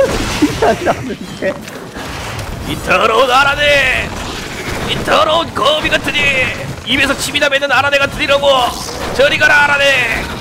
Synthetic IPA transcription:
isʰaiɾanɯn | e | itʌɾʌunaɾane | itʌɾʌunkʌbiɡatɯɲiibes̬ʰʌt͡ɕʰimidamenːɯnaɾaneɡatɯiɾʌɡo | t͡ɕʌɾiɡaɾaːɾane

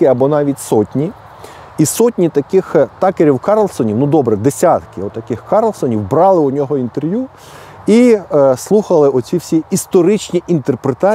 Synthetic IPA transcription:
ɪɐbɔnɑʋʲitʲsɔtʲnʲi | isɔtʲnʲit̪ɐkɪxt̪ɑkeɾʲiwkɑɾlˠsɔnʲiwnud̪ɔbɾɛd̪esʲat̪kɪɔt̪ːɐkɪxkɑɾlˠsɔnʲiwbɾɑlˠɪʊnʲɔɦɔint̪erʋju | islˠuxɐlˠɪɔt͡sʲiwsʲiist̪ɔɾɪt͡ʃʲnʲiʔint̪erpɾet̪ɑ

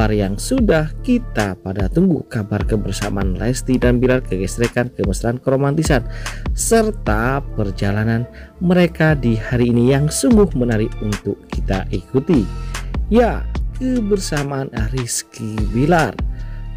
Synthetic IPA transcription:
arjaŋsudahkit̪apadat̪uŋɡṵkabarkəbərsa̰ma̰anlɛ̰st̪idanbilarkəɡɛsɾekankəməsɾaankəɾomant̪isansərt̪apərd͡ʒalananməɾekadihaɾiːnijaŋsuŋɡʊhmənaɾikunt̪ʊkkit̪aʔikut̪i | jakəbərsamaʔːnaɾiskibilar

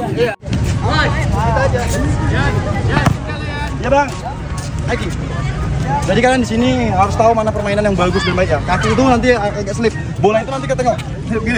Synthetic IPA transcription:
it̪ad͡ʒa | jabah | aki | d͡ʒadikadandisiniɦaɾʊst̪aumanapərmainanjaŋbaɡʊsbənbaɪk̬̚jakakiːt̪unant̪̬iaaɡaʔsəlɪp̚ | bolait̪unant̪ikət̪əŋɔ

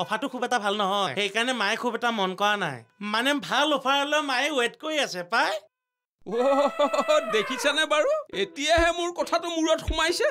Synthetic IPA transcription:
ɔpʰatʊkʰubɛtabʱalnɔɦɔjjxejkaɹnɛmajkʰubɛtamɔnkɔɹana̰jmanɛbʱalɔpʰaɔlɛmajwɛtkoɹiasɛpaj | o | dekʰisɛnabaɹuetijaɦɛmʊɹkɔtʰatʊmuɹɔtxumajsɛ

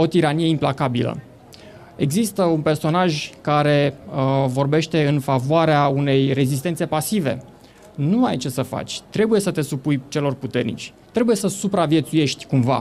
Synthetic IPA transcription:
o̞t̪iɾanije̞implakabilə̰ | e̞ɡzist̪əunpe̞rso̞naʒkaɾe̞vo̞rbe̞ʃt̪e̞ɨnfavoaɾeaune̞jre̞zis̬t̪e̞nt̪se̞pasive̞̰ | nuajt͡ʃe̞səfa̰t͡ʃʲt̪ɾe̞buje̞sət̪e̞supujt͡ʃe̞lo̞rput̪e̞rnḭt͡ʃʲ | t̪ɾe̞buje̞səsupɾavie̞t̪suje̞ʃt̪ʲkumva̰

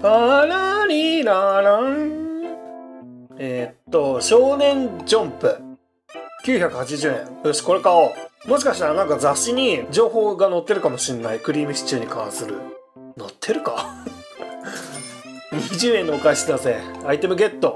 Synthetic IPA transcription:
aɾaɾʲiɾaɾa | et̪ːo̞ɕo̞ːnẽ̞ɲd͡ʑõmpɯ̟ | kʲɨːçakɯ̟hat͡ɕiʑɨːẽ̞̰ŋooɕi̥ko̞ɾe̞kaomo̞ɕ̬i̥kaɕi̥t̪aɾanãŋkazaɕiɲ̟id͡ʑo̞ːho̞ːɡano̞t̪ːe̞ɾɯ̟kamo̞ɕĩnːaikɯ̟ɾʲiːmiɕi̥t͡ɕɨːɲ̟ikʰã̰sɨɾɯ̰ | no̞t̪ʰːe̞ɾɯ̟ka | ɲʲiʑɨːẽ̞nokaisinazeait̪e̞mɯ̟ɡe̞t̪ːo̞

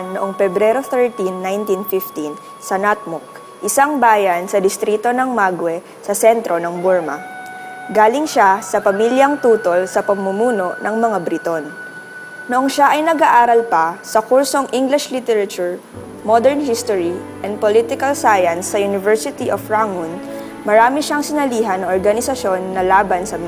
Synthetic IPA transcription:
nːoʔoŋfɛbɾɛɾoθɛɹt̪inːajnt̪infift̪in | sɐnat̪̚mʊk̚ | ʔɪsaŋbaːjɐnsɐd̪ɪst̪ɾit̪o̞nɐŋmaɡwɛ | sɐsɛnt̪ɾo̞nɐŋbuɹmɐ̰ | ɡaːlɪŋʃasɐpɐmiljɐŋt̪uːt̪o̞lsɐpɐmːʊmuːno̞ʔnɐŋmɐŋabɾit̪on | nʊʔoŋʃaʔɐjnɐɡaʔaːɾɐlpɐsɐkuɹso̞ŋʔiŋɡlɪʃlit̪ɛɾɐt͡ʃuɹ | mod̪ɛɹnhist̪oɹiʔɛnd̪̚polit̪ɪkɐlsaːjɐnsːɐjʊnɪvɛɹsɪt̪iʔofɹaŋʊn | mɐɾaːmɪʃaŋsɪnɐliːɦɐnːɐʔoɹɡɐnɪsɐʃjo̞nːɐlaːbɐnsɐm

